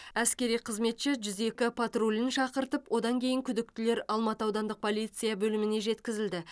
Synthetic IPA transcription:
æskʲe̞ɾijqʰəzme̞t̪ʃɪʒʏze̞kʲɪpʰat̪rolʲɪnʃɑqəɾt̪əpwʔo̞d̪ɑŋkʲʰe̞jɪŋkʲʰʏd̪ɪk̚t̪ɪle̞ɾɑlˠmɑt̪əɑwd̪ɑnd̪əq̚pʰo̞lˠijt̪sɨjabɵlɪmɪne̞ʒe̞t̪kʲɪzɪld̪ɪ

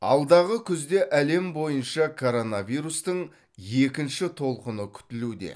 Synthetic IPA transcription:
ɑ̰lˠd̪ɑʁəkʲʰʏzd̪e̞ʔæle̞mbo̞jənʃɑkʰo̞ɾo̞nɑvijɾust̪əɴ | je̞kʲɪnʃɪt̪ʰo̞lˠqənəkʲʰʏ̥t̪ɪlud̪e̞̰

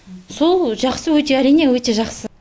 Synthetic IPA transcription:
so̞lˠʒɑqsəwɵt̪e̞æɾijne̞wɵt̪e̞ʒɑqsə

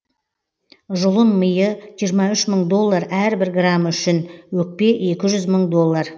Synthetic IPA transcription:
ʒʊlˠənməjəʒijəɾmɑʏʃməɴd̪o̞lˠːaɾæɾbɪɾɡramʏʃɪnwɵk̚pe̞e̞kʲɪʒʏzməɴd̪o̞lˠːar

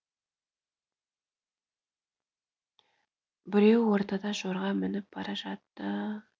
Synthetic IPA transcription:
bɪɾe̞wwo̞ɾt̪ɑd̪ɑʒoɾʁɑmɪnɪp̚b̥ɑɾɑʒɑt̪ːə

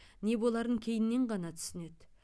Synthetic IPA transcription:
ne̞bo̞lˠɑɾəŋkʲʰe̞jɪnːe̞ɴʁɑnɑt̪ʰʏ̥sɪne̞d̪̥

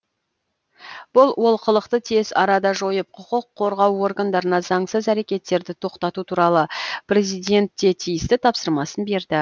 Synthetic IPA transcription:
b̥ʊlˠwo̞lˠqʰəlˠəqt̪ət̪ʰe̞zɑɾɑd̪ɑʒo̞jəp̚qʰʊqəqʰːo̞ɾʁɑwo̞rɡand̪ɑɾənɑzɑɴsəzæɾe̞kʲe̞t̪ːe̞ɾd̪ɪt̪ʰo̞qt̪ɑt̪ut̪ʰuɾɑlˠəprʲe̞zijd̪e̞nt̪ːe̞t̪ʰijɪst̪ɪt̪ʰɑpsəɾmɑsənbe̞ɾd̪ɪ

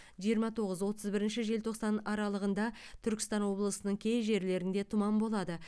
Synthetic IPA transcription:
ʒijəɾmɑt̪ʰo̞ʁəzwo̞t̪ʰəzbɪɾɪnʃɪʒe̞lt̪ʰo̞qsɑnɑɾɑlˠəʁənd̪ɑt̪ʰʏɾkʲɪ̥st̪ɑnwo̞blˠəsənəɴkʲʰe̞jʒe̞ɾle̞ɾɪnd̪e̞t̪ʰʊmɑmbo̞lˠɑd̪ə

